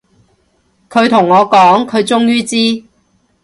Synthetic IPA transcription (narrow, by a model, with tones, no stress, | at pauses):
kʰɵ˨˧ɥt̪ʰʊ˨˩ŋːɔː˨˧kɔː˨˥ŋkʰɵ˨˧ɥt͡sʊ˥ŋjyː˥t͡siː˥